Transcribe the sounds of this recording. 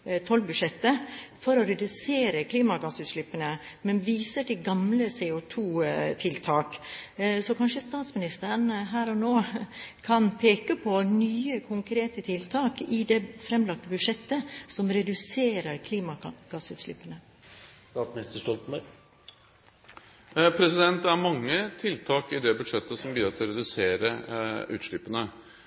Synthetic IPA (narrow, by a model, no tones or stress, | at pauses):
t̪ʰɔlbʉd̪ʂɛt̪ːəfɔɾɔɾɛd̪ʉseːɾəkʰliːmɑɡɑsʉːt̪ʂlypːənəmɛnʋiːsəʈɪɡɑmləseːʊt̪ʰuːt̪ʰɪlt̪ʰɑːksɔkʰɑnʂəst̪ɑːt̪smɪnɪst̪əɾənɦæːɾɔnoːkʰɑnpʰeːkəpʰɔnyːəkʰʊŋkʰɾeːt̪ət̪ʰɪlt̪ʰɑːkɪd̪ɛfɾɛmlɑk̚t̪əbʉd̪ʂɛt̪ːəsɔmɾɛd̪ʉseːɾəɾkʰliːmɑɡ̥ɑsʉːt̪ʂɭɪpːənə | ɑt̪smnɪst̪əʂɔlt̪n̩bœ | pʰɾɛsɪd̪ɛnt̪æɾmɑŋːət̪ʰɪlt̪ʰɑːkɪd̪ɛbʉd̪ʂɛt̪ːəsɔmbyːəɾt̪ɪlɔɾɛd̪ʉseːɾəʉ̰ːt̪ʂɭɪpːənə